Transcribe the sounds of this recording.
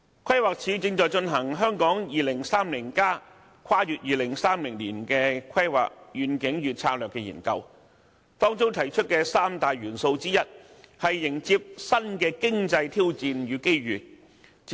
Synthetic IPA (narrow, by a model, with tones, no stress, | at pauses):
kʷʰɐ˥jwaː˨˩k̚t͡sʰiː˨˥t͡sɪ˧ŋt͡ʃɔː˨jt͡ʃɵ˧nɦɐ˨˩ŋɦœː˥ŋkɔː˨˥ŋjiː˨lɪ˨˩ŋsaː˥mliː˨˩nkaː˥ | kʰaː˥jyː˨t̚jiː˨lɪ˨˩ŋsaː˥mlɪ˨˩ŋliː˨˩nkɛː˧kʰɐ˥jwa̰ː˨k̚jyː˨nkɪ˨˥ŋɥyː˨t̚t͡sʰaː˧k̚lœː˨kːɛː˧jḭː˨˩nkɐ̰˧w | t̪ɔː˥ŋt͡so˥wt̪ʰɐ˨˩jt͡ʃʰɵ˥t̚kɛː˧saː˥mt̪aː˨jɥyː˨˩nso˧wt͡siː˥jɐ˥t̚hɐ˨jːɪ˨˩ŋt͡siː˧p̚sɐ˥nkɛː˧kɪ˥ŋt͡sɐ˧jt̪ʰiː˥wt͡siː˧njyː˨˧ke˥jɥyː˨